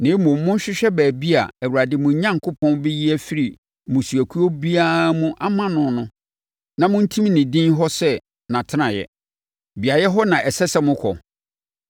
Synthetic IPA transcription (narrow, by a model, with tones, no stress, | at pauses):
nɪ̃˨˦mʊ̃˨˦mʊ̃˦n˦ɕᶣɪ˦ɕᶣɛ˦bæː˨bi˦a̰˨æ˨wu˨ɾa˨dɪ˨mʊ̃˨˦ɲã˦ŋkʰʊ˦pʰɔ̃˦nbi˦ji˦æ˦fi˦ɾi˨ | mʊ̃˨su˨æ˨kʰu˦o˦bi˦aː˦mũ˦ʔa˦mã˦nʊ̃˨nʊ̃˦ | nã˨mʊ̃˦n̩˦tʰĩ˦m˦nɪ̃˨dĩ˦nɦɔ˦sɛ˦ | nã˨tʰɪ˦nã˨jɛ̰˨ | bi˨a˨jɛ˦ɦɔ˦nã˨ʔɛ˨sɛ˦sɛ˦mʊ̃˦kʰɔ˨